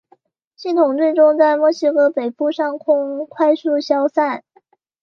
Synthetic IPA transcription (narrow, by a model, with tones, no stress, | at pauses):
ɕi˥˩t̪ʰʊ˨˩ŋt͡swe˥˧ɪʈ͡ʂʊ˥ŋt͡sa˥˧ɪmwɔ˥˩ɕi˥kɤ˥pe˨˩ɪpu˥˧ʂɑ˥˩ŋkʰʊ˥ŋkʰwa˥˧ɪsu˥˧ɕjɑ˥ʊsa˥˩n